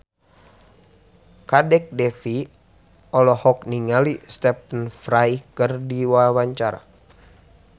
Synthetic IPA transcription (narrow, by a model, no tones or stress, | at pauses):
kadɛk̚dɛfi | ɔlɔhɔk̚niŋalist̪ɛpənfɾajkɨrdiwawaɲt͡ʃaɾa̰